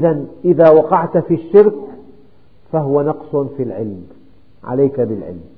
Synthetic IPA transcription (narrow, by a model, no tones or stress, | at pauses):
ʔɪðanʔɪðaːwɑqɑʕt̪fiʃːɪɾk | faɦʊwanɑqsˤfilʕɪ̰lm | ʕa̰lajkabɪlʕɪ̰lm